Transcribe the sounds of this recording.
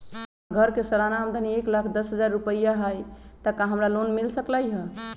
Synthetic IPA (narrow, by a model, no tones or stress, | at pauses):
ɡʱəɾkesəlanaəmd̪ənieklakʰd̪əsɦəd͡ʒaɾːupəjaɦəjt̪əkaɦəmɾalonmilsəklajɦə